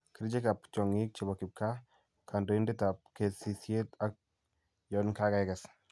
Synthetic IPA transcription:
ki˨ɾd͡ʒe˦ka˨pt͡ʃɔ˨ŋɪ˦k̚t͡ʃi˨bɔ˨kɪ˨p̚ka˦ | ka˨ndo˨i˦ndɪ˦ta˨p̚ke˨si˨sje˦ta˦k̚ | jɔ˨nka˦ka˦ɛkɛ˨s

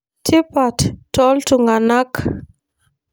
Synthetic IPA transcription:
tʰi˦pa˨ttɔ˦ltu˨ŋɡa˨na˦k

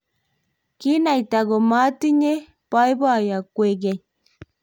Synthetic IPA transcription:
ki˦na˨i˨ta˨ɣɔ˨ma˦ti˦ɲe˦ | pa˦i˦bwa˦˨ja˨kwe˨ɡɛ˨

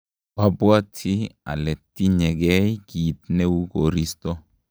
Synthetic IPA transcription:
b̥a˦bwa˦tʰi˦a̰˨lɛ˨tːi˦ɲɛ˨ɡɛ˦jki˨tnɛ˦wu˦ɡo˨ɾi˦stɔ˦

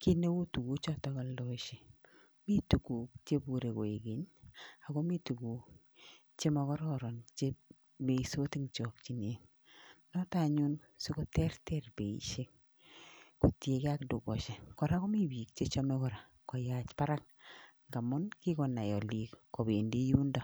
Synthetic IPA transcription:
ki˦ne˦wo˦tu˨ɡu˦t͡ʃɔ˦tɔ˦kɔ˨lo˦ʃe˨ | mi˦tu˨ku˨kt͡ʃe˦bu˨ɾe˨ko˨e˨ɡe˨˦ɲa˨kɔ˦mi˦tu˨ɡu˨ | t͡ʃe˦ma˦kɔ˦ɾɔ˦ɾɔ˨nt͡ʃe˦ | me˨i˨so˦ti˦ŋt͡ʃɔ˨kt͡ʃi˨ne˨ŋ | nɔta˨ɲu˦n | su˦kɔ˦tɛ˦rtɛ˦rbe˨ḭ˨ʃe˦k̚ | ko˨tje˨ke˦a˦kdu˨ɡɔ˨ʃe˨kɔ˨ɾa˦kɔ˦mi˦bi˨k̚t͡ʃe˦t͡ʃɔ˦mɛ˦kɔ˨ɾa˨ | kɔ˨ja˨t͡ʃpa˦ɾa˦k | ŋɡa˨mɔ˦nki˦kɔ˨na˨jɔ˨li˨kko˨be˨nde˦ju˦nda˦˨

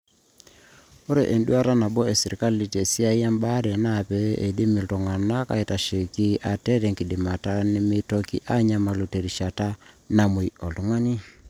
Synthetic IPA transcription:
o˦ɾe˨ʔe˨ndu˦a˦ɾa˦na˨bɔ˦e˨si˨ɾi˨ka˦li˨te˨si˦a˦i˦a˦mba˦ɾɛ˨na˦˨pɛ˨ʔe˨di˦mi˨ltɔ˨ŋa˨na˦ka̰˨i˨ta˨ʃe˨ki˦ʔa˨tɛ˦ɾe˨ŋki˨di˨ma˨ta˦ni˦mɪ˦to˦kḭ˦ʔa˦ɲa˦ma˨lu˨te˨ɾi˨ʃa˨ta˦na˨mu˨i˨ɔ˨ltu˨˦ŋa˦ni˦

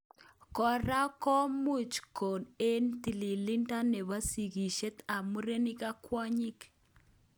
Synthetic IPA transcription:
kɔ˨ɾa˦kɔ˦mu˦˨t͡ʃko˨ne˦nt̪i˨li˨li˦nta˦ne˨βa˦si˨ɡi˨ʃe˦t̪a˨mu˦ɾe˦nɪ˦ka˦kwa˦ɲɪ˦k

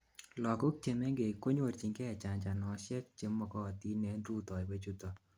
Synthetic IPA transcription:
lɔ˨kʊ˦k̚te˨me˦ŋɡe˨ko˦ɲwo˨ɾt͡ʃi˨ŋɡɛ˦˨t͡ʃa˨ɲt͡ʃa˨nɔ˨ʃɛ˦k̚t͡ʃe˦mɔ˨kɔ˦˨ti˦nɛ˨nɾu˦tɔ˨we˦t͡ʃu˦tɔ˨

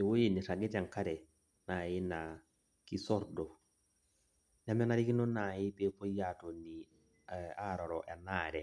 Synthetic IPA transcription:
e˨wo˦je˨ni˨ɾa˨ɡɛ˦ta˨ŋka˦ɾɛ˨ | na˨ɪ˦na˨ | ki˦sɔ˦ɾdɔ˨ | n˨a˨mɛ˦na˦ɾɪ˦ki˦no˦na˨ɪ˦pe˦po˦ja˦to˨ni˨ | a˦˨ɾɔ˨ɾɔ˨ʔɛ˨naː˦˨ɾɛ˨

